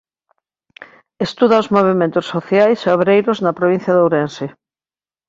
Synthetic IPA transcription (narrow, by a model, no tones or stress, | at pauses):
est̪uðaozmoβ̞emẽnt̪ʊsːoθjajseoβɾejɾoznɐpɾoβin̟θjɐðowɾense